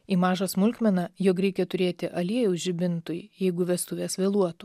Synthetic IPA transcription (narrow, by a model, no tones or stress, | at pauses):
iːmɑːʒɐsmʊlʲkʲmʲɛnɑjoːk̬ɾʲɛɪkʲɛt̪ʊɾʲeːt̪ʲɪʔɐlʲiɛjɛʊʒʲɪbʲɪnt̪ʊjjɛɪɡʊʋʲɛst̪ʊʋʲeːsʋʲeːlˠuɔt̪u